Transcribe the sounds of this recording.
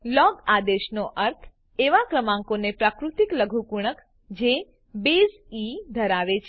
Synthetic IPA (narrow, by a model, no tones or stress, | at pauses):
lɔɡad̪eʃnoʔəɾt̪ʰ | eʋakɾəmãŋkonepɾakɾut̪ikləɡʱupuɽ̃ək | d͡ʒe | bezid̪ʱəɾaʋet͡ʃʰ